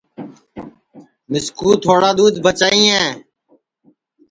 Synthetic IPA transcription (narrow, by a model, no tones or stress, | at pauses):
mɪskuːt̪ʰoːɽaːd̪uːd̪bət͡ʃaːiːɦɛː